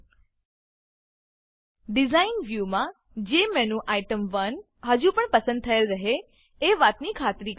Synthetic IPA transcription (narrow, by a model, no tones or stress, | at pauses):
ɖɪzainʋjumã | d͡ʒemẽnũʔaiʈəmʋən | ɦəd͡ʒũpəɳpəsə̃nd̪̚t̪ʰəelɾəɦe | eʋat̪nikʰat̪ɾi